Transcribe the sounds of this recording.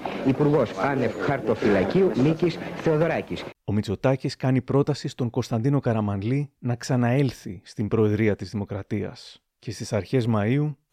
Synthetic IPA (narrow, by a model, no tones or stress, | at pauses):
ipuɾɣo̞sɐnefxɐɾt̪ofilɐciunicisθe̞oðoɾɐciso̞mit͡so̞t̪ɐciskɐnipɾo̞t̪ɐsist̪o̞ŋko̞st̪ɐnd̪ino̞kɐɾɐmɐnlinɐksɐnɐe̞lθist̪imbɾo̞e̞ðɾiɐt̪izðimo̞kɾɐt̪iɐ̰s | ce̞st̪isɐɾçe̞zmɐiu